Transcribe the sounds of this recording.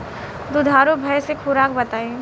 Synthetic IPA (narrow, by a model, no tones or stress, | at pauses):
d̪ʊd̪ʱaːɾobʱɐjsekʰʊɾaːkbɐt̪aːẽ